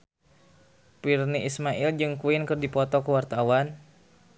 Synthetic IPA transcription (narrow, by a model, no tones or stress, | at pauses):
pirniʔismaʔɪld͡ʒɨŋkuɪnkɨrdipɔt̪ɔkəwart̪awan